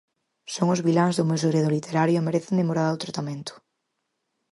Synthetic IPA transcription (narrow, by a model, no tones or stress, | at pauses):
soŋʊzβilãŋzðomews̬eɣɾeðolit̪eɾaɾjomeɾeθend̪emoɾaðawt̪ɾat̪amẽnt̪ʊ̥